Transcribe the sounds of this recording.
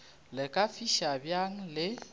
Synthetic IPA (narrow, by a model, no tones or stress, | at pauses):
lɪkʼafiʃabjaŋ̩lɪ